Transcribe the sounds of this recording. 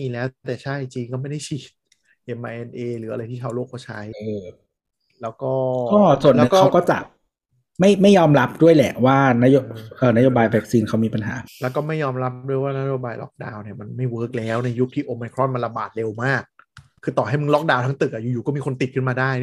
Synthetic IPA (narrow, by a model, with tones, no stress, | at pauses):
iː˧lɛː˦˥wt̪ɛː˨˩t͡ɕʰa˥˩jt͡ɕiː˧ŋkɔː˥˩ma˥˩jda˥˩jt͡ɕʰiː˨˩t̪̚ | ʔe˧mʔa˧ʔe˧nʔeː˧lɯː˩˦ʔa˧ɾa˧jt̪ʰiː˥˩kʰa˧˩wloː˥˩k̚ʰːɔ˥˩t͡ɕʰa˦˥jʔɤː˧ | lɛː˦˥wkɔː˥˩kɔː˥˩su˨˩ənlɛ˦ɯ˨˩kkːa˦˩˥wkɔː˥˩t͡ɕa̰˨˩ | ma˥˩jma˥˩jːɔː˧mɾa˦˥p̚du˥˩əjlɛ˨˩ʔwaː˥˩na˦˥jo˧ʔɤː˨˩na˦˥joː˧baː˧jwɛ˦˥k̚siː˧nkʰa˦˥wmiː˧pa˧nɦa̰ː˩˦lɛː˦˥wkɔː˥˩ma˥˩jːɔː˧mɾa˦˥p̚du˥˩əjwaː˥˩na˦˥joː˧baː˧jlɔ̰˦˥k̚daː˧wni˨˩ɐma˧nma˥˩jwɤː˦˥k̚lɛː˦˥wna˧jːu˦˥k̚t̪ʰiː˥˩ʔoː˧ma˧jkʰɾɔ˥˩nma˧nla˧baː˨˩t̪̚le˧wmaː˥˩k̚ʰː | ɯː˧t̪ɔː˨˩ɦa˥˩jmɯ˧ŋlɔ˦˥k̚daː˧wt̪ʰa˦˥ŋt̪ɯ˨˩k̚ʔa˨˩juː˨˩juː˨˩kɔː˥˩miː˧ko˧nt̪i˨˩ɯ˥˩maː˧daː˥˩j